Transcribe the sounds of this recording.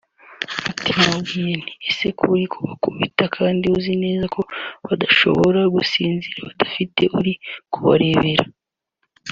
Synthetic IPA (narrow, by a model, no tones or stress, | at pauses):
mutimawijeniese̞kʰuɾikʰuβakuβitakʰaːndiuzine̞ːzakʰo̞βadaʃo̞̰βoɾaɡusiːnziɾaβadafitʰe̞ʔuɾikʰuβa̰ɾe̞ːβe̞ɾa